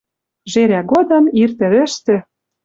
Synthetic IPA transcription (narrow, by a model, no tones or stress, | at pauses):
ʒeɾæɡod̪ɤ̆mirt̪ɘ̆βɘ̆ʃt̪ĕ